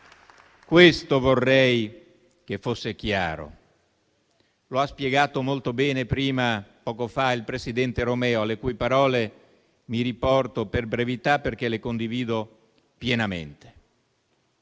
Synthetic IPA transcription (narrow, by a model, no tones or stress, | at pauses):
kwest̪ovorːɛj | kefːosːekja̰ːɾo̰ | loaspjeɡaːt̪omolt̪obɛːnepɾiːmapɔːkofailpɾesid̪ɛnt̪eɾomɛːoalekujpaɾɔːle | miɾipɔrt̪operbɾevit̪apːerk̟elekond̪iviːd̪o | pjenamḛnt̪e̥